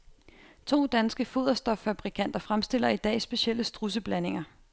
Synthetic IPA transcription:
t͡sʰo̝̰ːd̥ænsɡ̥əfo̝ðˠɐsd̥ɒ̽fːæb̥ʁikʰæn̰d̥ɐfʁamsd̥e̝l̰ɐid̥ɛ̰ːsb̥e̝ɕiel̰əsd̥ʁus̬əb̥læne̝ŋɐ

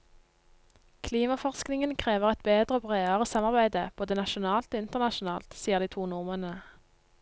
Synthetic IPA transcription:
kʰliːmɑfɔʁsknɪŋənkʰʁeːʋəʁɛt̪̚beːd̪ʁəoːbʁeːɑʁəsɑmɑʁbæɪd̪əb̥oːd̪ənɑʃʊnɑːlt̪oɪnt̪əʁnɑʃʊnɑːlt̪siːəʁd̪iːt̪ʰuːnʊʁmənə

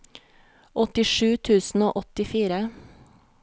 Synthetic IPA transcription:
ʔɔt̪ɪʃʉːt̪ʰʉːsn̩o̰ːʔɔt̪ɪfiːɾə

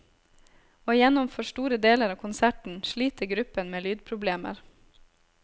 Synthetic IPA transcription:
oːjɛnɔmføːʃʈuːɾəd̪eːləɾɑːʋkʰʊnsæʈɳ̩ʃliːt̪əɡɾʉpənmeːlyːd̪̚pʰɾʊbleːmə̰ɾ

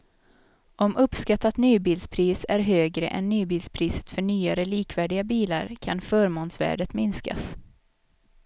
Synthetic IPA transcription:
ʔɔmʔɵpskat̪ːat̪nyːbiːlspʰɾiːsæɾɦøːɡɾə̰ʔɛ̰nːyːbiːlspʰɾiːsə̥t̪fœɳyːaɾəliːkvæːɖɪɡabiːla̰ɾkʰanfœːɾmoːnsvæ̰ːɖət̪mɪnska̰s

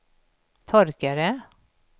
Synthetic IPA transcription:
t̪ʰɔɾkəɾə

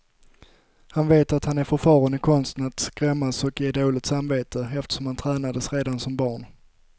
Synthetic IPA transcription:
hanveːt̪at̪hanæɾfœɾfɑːɾanɪkʰɔnst̪ənat̪skɾɛmːasɔkjeːɖoːlɪɡ̚t̪samveːt̪ʰəɛft̪ə̥ʂɔmhant̪ʰɾɛːnad̪əsɾeːd̪ansɔmbɑːɳ

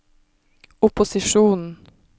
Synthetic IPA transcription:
ʊpʊsɪʃuːnn̩

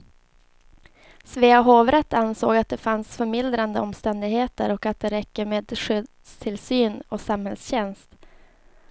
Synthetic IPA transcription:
sveːaɦoːvɾɛt̪ːansoːɡat̪̚d̪ɛfansfœɾmɪld̪ɾand̪əɔmst̪ɛnd̪ɪɡheːt̪ə̰ɾɔkat̪̚d̪ɛɾɛkːəmeːd̪ʂʏd̪st̪ʰɪlsyːnɔsamhɛlsɕɛnst̪

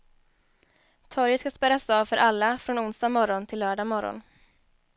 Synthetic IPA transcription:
t̪ʰɔɾjət̪skaspɛɾasɑːvfœɾʔalːafɾɔnʊnsd̪amɔɾɔnt̪ʰɪlːœːɖamɔɾɔ̰n

